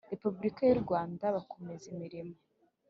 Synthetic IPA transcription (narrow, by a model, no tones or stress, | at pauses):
ɾe̞pubuɾikajuɾɡwaːndaβako̞mezimiɾima